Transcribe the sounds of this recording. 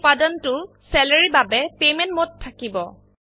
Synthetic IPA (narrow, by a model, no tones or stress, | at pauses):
padɔntʊ | sɛlaɹibabɛpemɛntmotʰːakibɔ